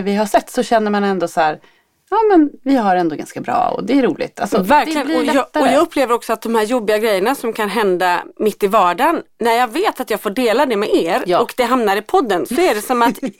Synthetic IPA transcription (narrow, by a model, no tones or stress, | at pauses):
vɪɦaʂɛt̪ːsɔɕɛnːəɾmanɛnd̪ɔsæːɾ | ɑːmɛnvɪɦaɾɛnd̪oːɡa̰nskabɾɑ̰ːɔ̰d̪ɛæɾuːlɪ̰ɡt̪ʰa̰lsɔvæɾk̪lɪɡənɔjɔjɑːɡɵpːleːvəɾɔksɔat̪̚d̪ɔmhæːɾjɔbːɪɡaɡɾɛjːəɳasɔmkʰanɦɛnd̪amɪt̪ːɪvɑːɖanːæɾjɑːɡveːt̪at̪jɑːɡfoːɖeːlad̪ɛmɛʔeːɾɔkd̪ɛɦamnaɾɪpʰɔd̪ːənsɔæɖɛsɔmat̪